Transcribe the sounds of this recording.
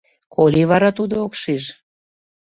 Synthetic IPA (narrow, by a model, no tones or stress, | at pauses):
kʰolʲiβɑɾɑt̪ud̪ookʃiʒ